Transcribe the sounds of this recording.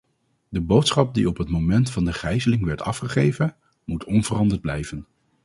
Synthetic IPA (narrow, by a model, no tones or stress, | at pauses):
dəbowtsχɑp̚diɔpɦətmowmɛntfɑndəχɛjzəlɪŋʋɛɹtɑ̰fχəχejvən | mutʰɔnvərɑndəɹd̚blɛjvən